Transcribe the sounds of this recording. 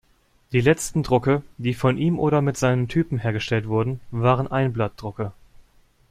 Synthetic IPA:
d̥iːlɛt͡stn̩dʁʊkəd̥iːfɔnʔiːmʔoːɾɐmɪtz̥aɪnəntʰyːpm̩ɦeːɐɡəʃtɛltv̥ʊɐdn̩vaːʁənʔaɪnblat̚d̥ʁʊkə

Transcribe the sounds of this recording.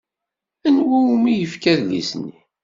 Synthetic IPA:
ænwæumijəfkæðlḭsnːi

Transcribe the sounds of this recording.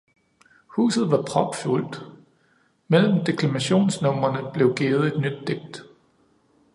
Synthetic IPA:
hṵːsð̞̩ˠʋɑ̈pʰʁɒ̽b̥ful̰d̥ | mel̰m̩d̥e̝kʰlæmæɕo̝̰ːnsnɔ̽m̰ɐnəb̥le̝ʊɡ̥e̝ːð̩ˠe̝d̥nyd̥ːeɡ̥̚d̥

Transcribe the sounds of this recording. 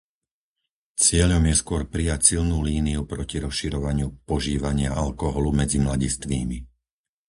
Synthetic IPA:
t͡sɪɛʎɔmjɛskʊɔɾpɾijacsilnuːliːniupɾɔciɾɔsʃiɾɔʋaɲɪupɔʒiːʋaɲɪaalkɔɦɔlumɛd͡zimlaɟist̪ʋiːmi

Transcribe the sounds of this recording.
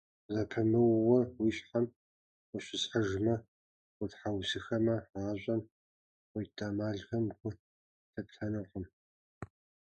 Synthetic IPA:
zɐpʰɨmɨwwɐwiːɕħam | wʷʊɕɪsħɐʒmɐ | ʊtħawsɨxɐmɐaːɕʷʼɐm | wɔjtʼamaːɮɣɐmɡʷʊ | tʰɐpɬʰɐnɨqʼəm

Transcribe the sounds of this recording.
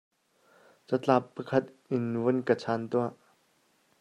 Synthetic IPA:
t͡sət͡ɬapːəkʰɐt̪̚ | ɪnvunkət͡sʰaːnt̪uaʔ

